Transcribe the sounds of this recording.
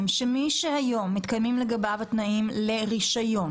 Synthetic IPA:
mʃemiʃehajo̞mːit̪kajmimleɡabavat̪naʔimleʁiʃajon

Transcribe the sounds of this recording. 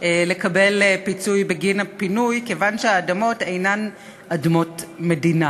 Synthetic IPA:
le̞kabe̞lpit͡sujbeɡinapinujkevanʃeaːdamo̞te̞jnan | ʔadmo̞tmedina

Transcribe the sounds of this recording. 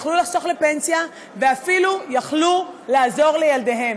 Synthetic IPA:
χlulaχso̞χle̞pe̞nsija | ve̞afilujaχlulaːzo̞ʁle̞jalde̞ɦe̞m

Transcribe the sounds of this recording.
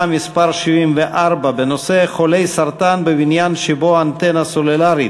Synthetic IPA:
mispaʁʃivimveʔaʁbabeno̞seχolejsaʁt̪anbebinjanʃeboant̪enasolelaɾi

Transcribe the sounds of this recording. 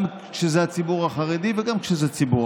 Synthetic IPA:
ʃezeat͡sibuʁaχaʁed̪iveɡamkʃezet͡sibu

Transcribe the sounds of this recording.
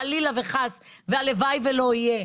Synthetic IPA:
alilaveχasvealevajvelo̞ije

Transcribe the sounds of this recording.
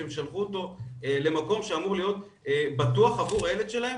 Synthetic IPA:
emʃalχuot̪o̞le̞mako̞mʃeamuʁlijo̞t̪̚ | ebat̪uaχavuʁeletʃelahem

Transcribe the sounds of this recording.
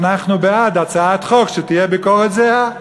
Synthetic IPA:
naχnubead̪at͡saat̪χo̞kʃet̪ijebikoʁet̪zea

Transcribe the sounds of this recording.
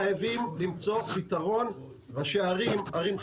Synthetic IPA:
ajavimlimt͡so̞pit̪aʁo̞n | vaʃeaʁimaʁim

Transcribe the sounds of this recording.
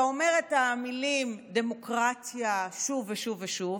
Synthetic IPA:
ome̞ʁetamilimde̞mo̞kʁatjaʃuveʃuveʃuv

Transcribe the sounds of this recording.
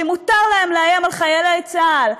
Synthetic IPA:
emut̪aʁlaemleajamalχajelaet͡sal

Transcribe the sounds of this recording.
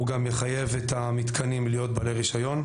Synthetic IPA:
uɡamjeχaje̞vet̪amit̪kʰanimlijo̞t̪̚baleʁiʃajo̞n

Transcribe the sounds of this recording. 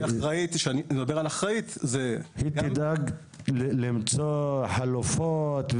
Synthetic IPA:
aʁait̪ʃeanied̪abealaχʁait̪zehit̪id̪aɡ | llimt͡soħalufot̪v

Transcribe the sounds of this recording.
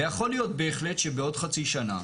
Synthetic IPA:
ejaχo̞lijo̞t̪̚be̞ːχle̞tʃebeo̞dχat͡siʃana̰

